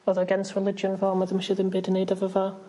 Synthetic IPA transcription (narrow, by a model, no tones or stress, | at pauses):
ɔðəəɡɛ̃nsɹɪlɪd͡ʒə̃nvaːməðəmʃɪðɪ̃mbɪdɪnedəvəva